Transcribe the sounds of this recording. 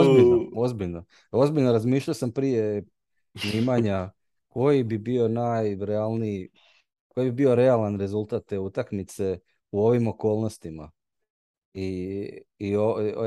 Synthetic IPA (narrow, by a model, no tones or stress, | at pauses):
ozbinoozbiʎno | o̞zbiʎnoɾazmiːʃʎajosampɾije̞ | sniːmaɲa | ko̞jibibio̞naːjɾealˠnii | kojibibio̞ɾealanɾe̞zulˠt̪at̪̚t̪ːeut̪akmit̪se̞ | uo̞ʋimo̞ko̞ːlˠnost̪ima̰ | iː | o